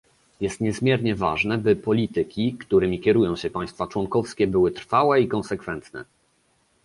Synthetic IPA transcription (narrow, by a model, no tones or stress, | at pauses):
jɛst̪ɲɛzmʲjɛɾɲɛva̰ʐnɛbɘpɔlʲit̪ɘkʲikt̪uɾɘmʲikʲɛɾujɔ̃w̃ɕɛpaj̃st̪fat͡ʂwɔŋkɔfskʲɛbɘwɘt̪ɾfawɛikɔnsɛkfɛnt̪nɛ̰